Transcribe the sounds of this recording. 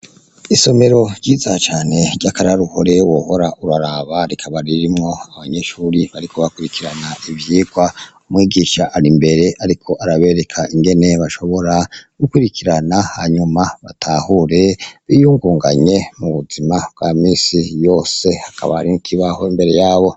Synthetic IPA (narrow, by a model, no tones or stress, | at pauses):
iso̞me̞ɾo̞ɾɟiːzat͡ʃaːne̞ɾɟakaɾaɾuho̞ɾe̞woːho̞ɾauɾaɾaβaɾikʰaβaɾiɾimŋo̞aβaɲe̞ʃuːɾiβaɾikʰo̞βakuɾikiɾanaivjiːɡwaumŋiːɡiːʃaʔːɾimbe̞ɾe̞ʔaɾikʰo̞ʔaɾaβe̞ɾe̞kʰaiŋɡe̞ne̞βaʃo̞βo̞ɾaɡ̥ukwuɾikʰiɾanaha̰ɲumaβa̰tʰaːhuɾe̞βijuːŋɡuːŋɡaɲe̞muβuzimabɡamiːsijo̞ːse̞hakʰa̰βa̰ɾimukʰiβaho̞imbe̞ɾe̞jaːβo̞